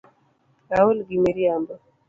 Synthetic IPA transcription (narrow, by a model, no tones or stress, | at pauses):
ɾaulɡimeɾiambɔ